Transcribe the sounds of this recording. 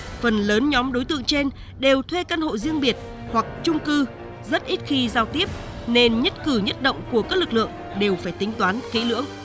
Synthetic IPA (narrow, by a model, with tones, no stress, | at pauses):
fə˨˩nləː˨˦nɲɔ˨˦mɗo˨˦jt̪ɨ̰˧˨əŋt͡ɕe˧n | ɗe˨˩wt̪ʰwe˧kaː˧nho̰˧˨zi˧əŋɓi˨˩ət̚ | hwa˨˩k̚t͡ɕʊ˧ŋ͡mkɨ˧ | zə˦˥t̚ʔi˦˥t̚xi˧zaː˧wt̪i˦˥əp̚ | ne˧nɲə˦˥t̚kɨ˧˩ɲə˦˥t̚ɗo̰˧˨wŋ͡mku˧˩əkaː˦˥k̚lɨ˨˩k̚lɨ̰˧˨əŋ | ɗe˨˩wfaː˧˩jt̪ï˨˦ŋ̟t̪waː˨˦nkḭ˧˥lɨ̰˧˥əŋ